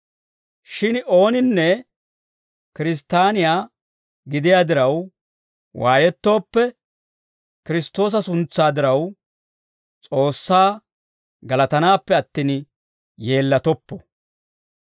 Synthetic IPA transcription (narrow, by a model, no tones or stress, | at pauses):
ʃɪno̞ːnɪnːɛ | kɪɾɪs̬t̪aːnɪjaː | ɡɪd̪ɪjaːd̪ɪɾɐw | waːjɛt̪ːo̞ːpːɛ | kɪɾɪst̪ːo̞ːs̬ɐsʊnt͡sːaːd̪ɪɾɐw | t͡sʼo̞ːsːaː | ɡɐlɐt̪ɐnaːpːɛɐt̪ːiːn | je̞ːlːɐt̪ɔpːɔ